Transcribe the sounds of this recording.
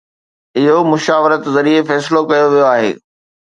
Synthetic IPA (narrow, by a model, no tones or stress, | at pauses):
ɪɦomʊʃaːʋɪɾət̪zɐɾiefɛːsɪlokɐjoʋijoaːɦḛː